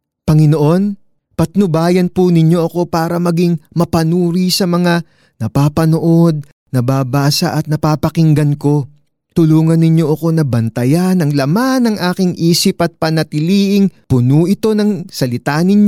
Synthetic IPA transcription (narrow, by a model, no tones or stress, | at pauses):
pɐŋɪno̞ʔo̞n | pɐt̪nʊbaːjɐnpunɪɲːo̞ʔɐko̞paːɾɐmɐɡiŋmɐpɐnuːɾisɐmɐŋa | nɐpaːpɐnoʔo̞d̪̚ | nɐbaːbaːsɐ̰ʔɐt̪̚nɐpaːpɐkɪŋɡɐnko̞ | t̪ʊluːŋɐnːɪɲo̞ʔɐko̞nɐbɐnt̪ɐjanɐŋlɐmanɐŋʔaːkɪŋʔiːsɪpʔɐt̪̚pɐnɐt̪ɪliːʔɪŋpʊnuːʔɪt̪o̞nɐŋsɐlɪt̪anɪɲ